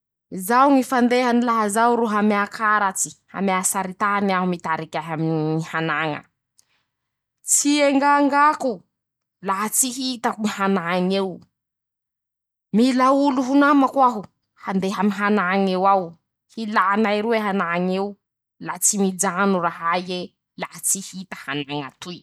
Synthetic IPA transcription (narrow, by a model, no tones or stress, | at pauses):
zawŋifand̪eɦanilaɦazawɾuɦameakaɾat͡si̥ha̰masaɾit̪aniaɦumit̪aɾikʲaɦaminiihanaŋə̰ | t͡sieŋɡaŋɡaku | laɦət͡siɦit̪akumihanaŋew | milauluɦunamakwaɦu | hand̪eɦaminɦanaŋewaw | hilanaiɾueɦanaŋew | lat͡simid͡ʒanuraɦaje | lahat͡sihit̪ə̥hanaŋat̪uj